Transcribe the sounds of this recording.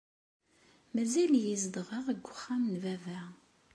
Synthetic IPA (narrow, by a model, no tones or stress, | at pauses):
mæzæljizd̪ʁəʁəɡʷːʊχːæmnvævæ